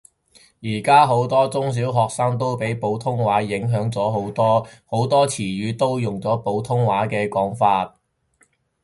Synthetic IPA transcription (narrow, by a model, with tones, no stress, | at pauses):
jiː˨˩kaː˥ɦo˨˥wt̪ɔː˥t͡sʊ˥ŋs̬iː˨˥wɦɔː˨k̚sɐː˥ŋt̪̬o˥wpe˨˥jpo˨˥wt̪ʰʊ˥ŋwaː˨˥jɪ˨˥ŋɦœː˨˥ŋt͡sɔː˨˥ɦo˨˥wt̪ɔː˥ho˨˥wt̪ɔː˥t͡sʰiː˨˩ɥyː˨˥t̪o˥wjʊ˨ŋt͡sɔː˨˥po˨˥wt̪ʰʊ˥ŋwaː˨˥kɛː˧kɔː˨˥ŋfaː˧t̚